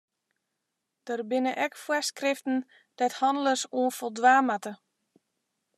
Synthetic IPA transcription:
d̥ərbɪnəʔɛkfwɛskrɪftn̩ | d̥ɛthɔndələsoənfolˠdwaːmatə

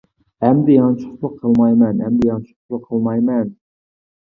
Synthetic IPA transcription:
æmd̪ɪjɑŋt͡ʃʰʊ̥χlˠəqʰːəlˠmɑjmɛnɛmd̪ɪjɑŋt͡ʃʰʊ̥lˠəqʰːəlˠmɑjmɛn

